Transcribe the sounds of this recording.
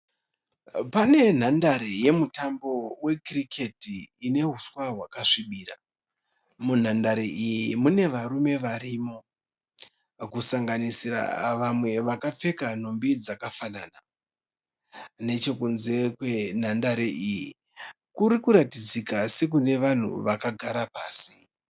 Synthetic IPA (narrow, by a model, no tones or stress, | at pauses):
pane̞n̤andaɾeje̞mutambo̞we̞kirikʰe̞tiːne̞ɦuswaɦwakaʂiɓiːɾa | mun̤andaɾeʔijimune̞ʋaɾume̞ʋarimo̞ | kusaŋɡanisira̰ʋamwe̞ʋakap͡fe̞kan̤ombid͡zakafanana | ne̞t͡ʃe̞kunze̞kwe̞n̤andaɾeʔiji | kuɾikuɾatid͡zikase̞k̬une̞ʋan̤ṵʋakaɡʱaɾapaːsi